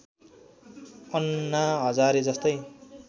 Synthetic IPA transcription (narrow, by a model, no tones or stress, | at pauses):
ʌnːaɦʌd͡zaɾed͡zʌst̪ʌj